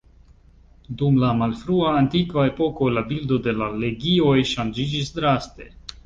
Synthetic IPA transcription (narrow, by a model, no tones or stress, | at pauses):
dumlamalfɾuaːntikvae̞po̞ko̞labildo̞de̞lale̞ɡio̞jʃand͡ʒid͡ʒisdɾaste̞̰